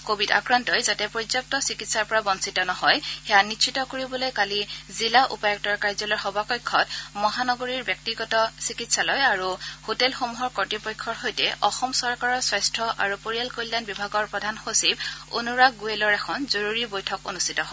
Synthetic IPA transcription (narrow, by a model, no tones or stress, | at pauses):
kobʱida̰kɹantɔjzatɛpɹotɔk̚tɔsikitsaɹpɔɹabɔnsitɔnɔhɔjxɛjanitʃʰitɔkoɹibɔlojkalizilaʔṵpɔjɔk̚tɔɹkaɹzɔlɔjxɔbakɔjkʰːɔtmɔɦanɔɡoɹiɹbjɔk̚tiɡɔtɔsikitsalɔjaɹuhotɛlxomuɦɔɹkɔtipɔjkʰːɔɹhojtɛ̰ʔɔxɔmsɔɹkaɹɔɹsajstʰɹɔʔa̰ɹupoɹialkojlːanbibʱaɡɔɹpɹɔdʱanxosibo̰nuɹaɡuelɔɹɛkʰɔnzoɹuɹibojtʰɔko̰nustʰitɔɦɔ